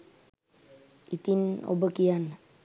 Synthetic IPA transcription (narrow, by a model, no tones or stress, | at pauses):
it̪ino̰bəkian